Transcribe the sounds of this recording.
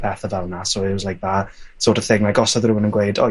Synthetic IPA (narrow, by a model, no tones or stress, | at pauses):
pʰɛθavɛlˠnasoɪslajk̚v̥asoːtəθɪŋlajkɔsɔðrɪwənənɡwejdɔ̰